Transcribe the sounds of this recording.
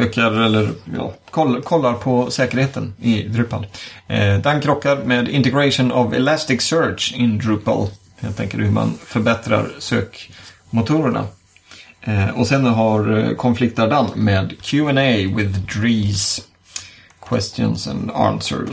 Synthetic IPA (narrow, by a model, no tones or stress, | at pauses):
økaɾɛlːəɾjɑ̰ːkʰɔlːkʰɔlːaɾpʰɔsɛːkəɾheːt̪ənɪd̪ɾʉpal | d̪aŋkʰːɾɔkːaɾmeːd̪ɪ̰nt̪ɛɡɾaʂʊnɑvɛ̰læst̪ɪksœɹʂɪnd̪ɾʉpa̰l | heːlt̪ʰɛŋkəɖɵhɵma̰nfœɾbɛt̪ɾa̰ɾsøːk | mʊt̪ʰuːɾəɳa̰ | ɔsɛnɦaɾkʰɔnflɪk̚t̪aɖanːmeːd̪kʰjuːɛnɛjwɪðd̪ɾiːs | kʰwɛst̪jɔ̰nsɛ̰nɑ̰nsœ̰ɾ